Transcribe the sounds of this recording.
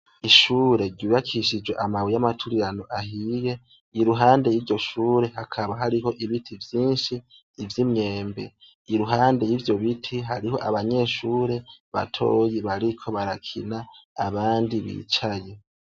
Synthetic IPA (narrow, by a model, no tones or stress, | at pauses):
iʃuːɾe̞ɾɟuːβakʰiʃid͡ʒweʔamawijamatʰuɾiɾanoʔahije̞ | iɾuɦaːnde̞jiːɾɟo̞ʃuːɾe̞ɦakʰaβaɦaɾiɦo̞ʔiβitʰivjiːnʃiː | vjimɲe̞ːmbe̞̰ | iɾuɦaːnde̞jiːvjo̞βitʰiɦaɾiɦo̞ʔaβaɲe̞ʃuːɾe̞βa̰tʰo̞̰ːjiβaɾikʰo̞βaɾakʰḭnaːβaːndiβḭt͡ʃaje̞